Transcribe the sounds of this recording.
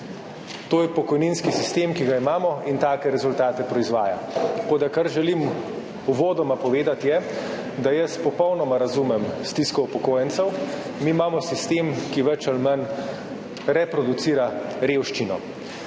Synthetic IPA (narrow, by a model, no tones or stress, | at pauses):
t̪oːjɛpɔkɔjninskisist̪eːmkiɡaimaːmɔint̪aːkɛɾɛzult̪aːt̪ɛpɾɔizʋaːjakod̪akaɾʒɛlim | uʋoːd̪ɔmapɔʋeːd̪at̪jɛ | d̪ajɐspɔpɔwnɔmaɾazuːmɛmst̪iskɔwpɔkoːjɛnsɛw | miːmaːmɔsist̪eːmkiʋɛt͡ʃalmɐn | ɾɛpɾɔd̪ut̪siːɾaɾeːwʃt͡ʃinɔ